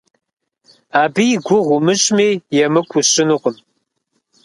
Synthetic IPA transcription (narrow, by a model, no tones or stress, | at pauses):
aːbijɡʷʊʁʷʊmɨɕʼmeːjɛmɨkʷʰʊɕʼɪnɨqʷʊm